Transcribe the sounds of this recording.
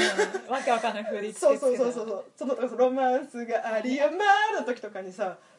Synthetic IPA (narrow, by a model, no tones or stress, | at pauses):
βakeβakanãhɯɾiso̞ːso̞ːso̞ːsoːsoːsonot̪oksɾo̞mãsɨɡaʔaɾʲiɯmaɾɯt̪o̞kʲi̥t̪o̞kaɲ̟isa